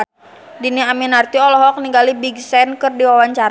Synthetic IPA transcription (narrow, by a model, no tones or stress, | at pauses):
diniaminart̪iɔlɔɦɔk̚niŋɡalibiɡsɛnkɨrdiwawaɲt͡ʃaɾ